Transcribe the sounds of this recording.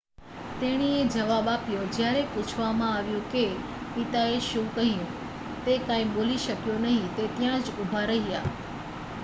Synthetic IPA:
t̪eːɽ̃ied͡ʒɐʋaːbaːpjod͡ʒjaːɾepʊt͡ʃʰʋamãaːʋjũke | pɪt̪aeʃũːkəɦĩũ | t̪ekãːĩɓoːliʃəkjonɐɦĩt̪et̪jãd͡ʒʊbʱaɾɐɦia̰ː

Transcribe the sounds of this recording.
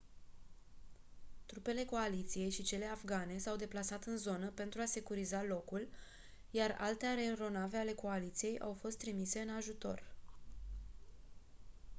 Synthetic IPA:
t̪ɾupe̞le̞ko̞alit̪sije̞jʃit͡ʃe̞le̞afɡane̞sawd̪e̞plasat̪ɨnzo̞nəpe̞nt̪ɾuase̞kuɾizalo̞kul | jara̰lt̪eaɾeɾo̞nave̞ale̞ko̞alit̪sije̞jʔawfo̞st̪ːɾimise̞ɨnaʒut̪o̞̰r

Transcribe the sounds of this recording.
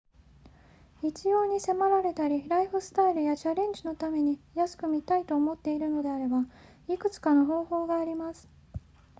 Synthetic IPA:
it͡ɕijo̞ːɲ̟ise̞maɾaɾe̞t̪aɾʲiɾaiɸɯ̟sɨ̥t̪aiɾɯ̟jat͡ɕaɾẽ̞ɲ̟d͡ʑino̞t̪ame̞ɲ̟ijasɨ̥kɯ̟mʲit̪ait̪o̞ːmo̞t̪ːe̞iɾɯ̟no̞d̪e̞aɾe̞ba | ikɯ̟t͡sɨ̥kano̞ɦo̞ːho̞ːɡaːɾʲimasɨ̥

